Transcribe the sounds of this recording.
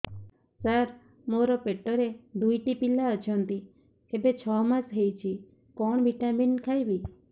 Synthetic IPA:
saɾ | moɾɔpeʈɔɾed̪ujʈipilaət͡ʃʰɔnt̪i | t̪ebet͡ʃʰɔmasɦejt͡ʃʰi | kɔɳ̃biʈaminkʰajbi

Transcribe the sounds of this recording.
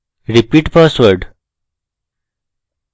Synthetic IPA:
ɾipiːʈpəsʋəɖ

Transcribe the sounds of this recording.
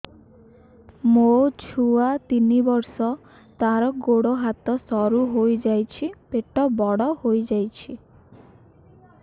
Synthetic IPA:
mot͡ʃʰuat̪inibɔɾsɔ | t̪aɾɔɡoɽoɦat̪ɔsɔɾuɦojd͡ʒajt͡ʃʰipeʈɔbɔɽɔhojd͡ʒajt͡ʃʰi

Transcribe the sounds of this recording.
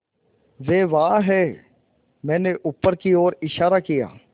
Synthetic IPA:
ʋeːʋaːɦɛː | mɛ̃ːneʔʊpːəɾkioːɾɪʃaːɾakɪja̰ː

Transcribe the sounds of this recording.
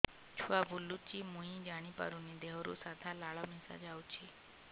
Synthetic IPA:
t͡ʃʰuabulːut͡ʃimũɦĩd͡ʒaɽ̃ipa̰ɾunid̪eɦɾṵsad̪ʰʱalaɭamisa̰d͡ʒawt͡ʃʰi

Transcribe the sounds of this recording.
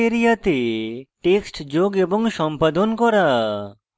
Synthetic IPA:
eɾijat̪eʈeksʈd͡ʑoɡeboŋʃɔmpad̪onkɔɾa

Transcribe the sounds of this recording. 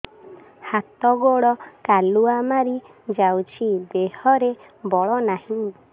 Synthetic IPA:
hat̪ɔɡoɭɔkaluamaɾi | d͡ʒawt͡ʃʰid̪ehɔɾe | bɔɭɔnaɦĩ

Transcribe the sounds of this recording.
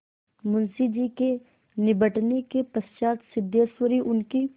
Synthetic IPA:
mʊnsid͡ʒiːke | nɪbəʈnekepɐst͡ʃaːt̪sɪd̪jeswəɾiʔʊnki

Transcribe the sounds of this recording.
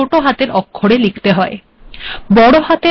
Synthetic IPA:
oʈoɦat̪eɾɔkʰːoɽelikʰt̪eɦɔe | bɔɽoɦat̪e

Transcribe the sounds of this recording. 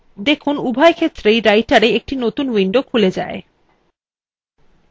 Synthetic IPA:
d̪ekʰunubʱaekʰet̪ːɾejɾajʈaɾeek̚ʈinot̪unwiɳɖokʰuled͡ʑa̰e

